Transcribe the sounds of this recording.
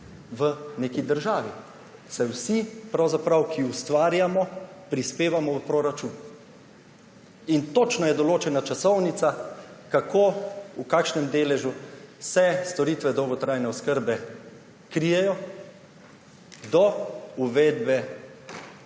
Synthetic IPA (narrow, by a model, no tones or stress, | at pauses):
ʋəneːkid̪əɾʒaːʋi | sajwsipɾawzapɾawkʰiust̪ʋaːɾjamɔpɾispeːʋamɔwpɾoɾat͡ʃuːn | int̪oːt͡ʃnajɛd̪ɔloːt͡ʃɛnat͡ʃasɔwnit̪sakakʰoːukaːkʃnɛmd̪eːlɛʒusɛst̪ɔɾiːt̪ʋɛd̪ɔwɡɔt̪ɾajnɛɔskəɾbɛ | kɾijɛjɔ | d̪ɔuʋed̪bɛ